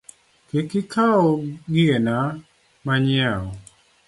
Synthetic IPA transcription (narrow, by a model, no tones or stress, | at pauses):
kekɪkʰaɔɡɪena | maɲɪaɔ